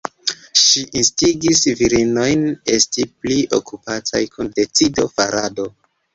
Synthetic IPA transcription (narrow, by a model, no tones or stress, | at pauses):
ʃiʔinstiɡisviɾino̞jne̞stipliʔo̰kupatajkʰunde̞t͡sido̞faɾado̞